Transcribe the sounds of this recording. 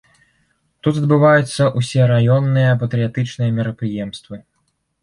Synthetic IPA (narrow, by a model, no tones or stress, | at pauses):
t̪ut̪ɐd̪̚bɨvajut̪sːɐʔusʲɛɾajɔnːɨjɐpɐt̪ɾɨjat̪ɨt͡ʂnɨjɐmʲɛɾɐpɾɨjɛmst̪vɨ